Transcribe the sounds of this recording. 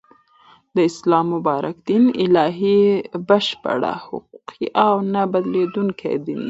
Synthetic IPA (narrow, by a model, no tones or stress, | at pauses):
d̪əɪslɑmːʊbɑɾa̰kd̪inɪlɑɦibəʃpa̰ɽa̰hʊ̰quqʰiʔawnabad̪led̪uŋkʰa̰jd̪in